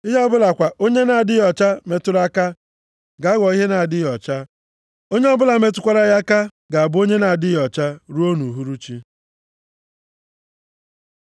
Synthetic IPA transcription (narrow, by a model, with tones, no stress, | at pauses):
i˦ɦɔ˦bʊ˦la˨kʷa˨ʔo˦ɲe˦na˨a˨dɪ˦jɔ˨t͡ʃa˦me˨tʊ˦ɾa˦ka˦ | ɡa˨˦ɡʷɔ˨i˦ɦe˦na˨a˨dɪ˦jɔ˨t͡ʃa˦ | o˦ɲe˦ɔ˦bʊ˦la˨me˦t̬ʊ˦kʷa˦ɾa˦ja˦ka˦ | ɡa˨a˨bʊ˦o˦ɲe˦na˨a˨dɪ˦jɔ˨t͡ʃa˦ɾu˦o˦nu˨ɦu˦ɾu˦t͡ʃi˦